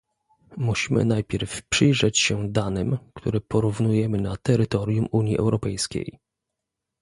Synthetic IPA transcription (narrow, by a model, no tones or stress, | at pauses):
muɕimɘ̰najpʲjɛɾfpʂɘjʐɛt͡ɕɕɛd̪anɘmkt̪uɾɛpɔɾuvnujɛmɘnat̪ɛɾɘt̪ɔɾʲjumuɲjiʔɛ̰wɾɔpɛjskʲḛj